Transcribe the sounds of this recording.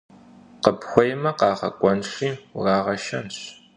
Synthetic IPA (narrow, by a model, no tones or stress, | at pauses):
qəbxʷɔjmɐqɑːʁɐ̰kʷʼɔnɕiːrɑːʁɐʃɐnɕ